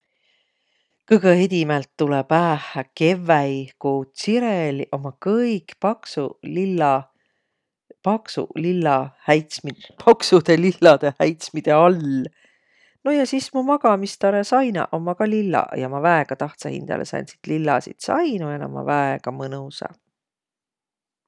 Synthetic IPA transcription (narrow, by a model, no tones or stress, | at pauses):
kɯɡeed̪ʲimelt̪ːulɛpæːhæke̞vːæjkuːsiɾeliʔo̞mɑkɤjkpɑksulilːɑ | pɑksṵlilːɑhæjt̪smipʰɑksud̪̥e̞lilːɑd̪̥ehæjt̪smid̪̥e̞ɑl | no̞jɑsismumɑɡɑmist̪ɑɾesɑjnɑ̰ʔo̞mːɑkɑlilːɑ̰jɑmɑvæeɡ̥ɑt̪ɑht̪sɑ̰hḭnd̪ɑ̰lesɑ̰jnsi̥t̪lilːɑsḭt̪sɑ̰jnuenɑ̰mːɑ̰væeɡɑmɤnusɑ̰